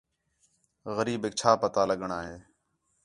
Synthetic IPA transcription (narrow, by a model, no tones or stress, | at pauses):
ɣəɾiːbɪk̚t͡ʃʰaːpət̪aːləɠəɳaːɦeː